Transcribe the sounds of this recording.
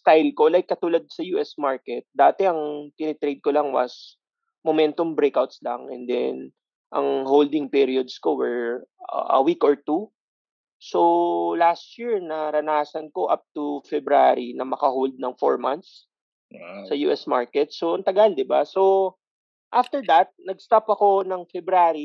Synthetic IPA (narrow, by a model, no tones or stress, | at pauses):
st̪ajlko̞lajkːɐt̪uːlɐd̪̚sɐjuːʔɛsmaɹkɛt̪̚d̪aːt̪ɛɐŋt̪ɪnɛt̪ɾejd̪̚kolaŋwɐ̰s | momɛnt̪ombɾejkawt̪̚slɐ̰ŋʔɛ̰nd̪ɛ̰n | ʔɐ̰ŋɦowld̪ɪŋpiɾiod̪sko̞wɛɹ̰ʔɐ̰wikɔɹt̪u | so̞last̪jiɹnɐɾɐnaːsɐnko̞ʔap̚t̪ufɛbɾaɾinɐmɐkɐɦowld̪̚nɐŋfo̰ɹmant̪s | sɐjṵʔɛsmaɹkɛt̪̚soɐnt̪ɐɡald̪ɪbaso̞ | ʔaft̪ɛɹd̪ɐt̪̚nɐɡ̚st̪apɐko̞nɐŋfɛbɾaːɾi